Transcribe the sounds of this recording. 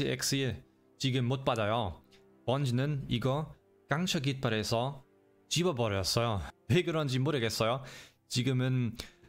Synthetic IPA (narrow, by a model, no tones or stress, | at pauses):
iek̚s͈i | t͡ɕiɡɯmːot̚p͈adʌjo | pʌnd͡ʑinɯniɡʌ | kaŋɕʰʌɡit̚p͈aɾesʰʌ | t͡ɕibʌbʌɾʌjʌs͈ʌjoweɡɯɾʌnd͡ʑimoɾɯɡes͈ʌjo | t͡ɕiɡɯmɯn